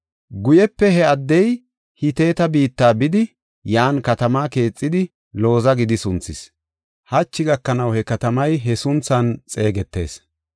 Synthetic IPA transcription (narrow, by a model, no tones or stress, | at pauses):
ɡʊjɛpːɛhɛɐd̪ːɛj | hɪt̪e̞ːt̪ɐbiːt̪ːaːbɪd̪ɪ | jaːnkɐt̪ɐmaːke̞ːt͡sʼːɪd̪ɪ | lo̞ːzɐɡɪd̪ɪsʊnt͡sːɪs | hɐt͡ʃːɪɡɐkːɐnɐwhɛkɐt̪ɐmɐjɦɛsʊnt͡sːɐnt͡sʼe̞ːɡɛt̪ːe̞̰ːs